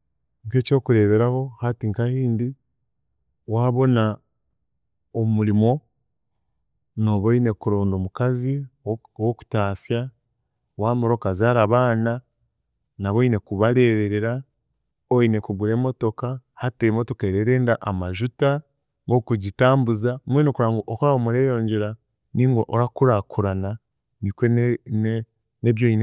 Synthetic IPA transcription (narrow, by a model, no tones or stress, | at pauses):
ŋke̞ːco̞ːkuɾe̞βeɾaho̞hatiŋkahiːndi | waːβo̞na | omuɾimo̞ | no̞βoine̞kuɾoːndomukazi | woku̥taːsja | waːmoɾo̞kazaːɾaβaːna | naβoine̞kuβaɾe̞ːɾeɾeɾa | oine̞kuɡuɾe̞ːmo̞to̞kahatemo̞to̞keɾeɾeːndaʔamaʒuta | ŋokuɟitaːmbuzaumwenokuɾaːŋɡoʔokoɾaomuɾeːjo̞ːɲɟeɾa | niːŋɡoʔoɾakuɾakuɾana | nikwe | neβjoine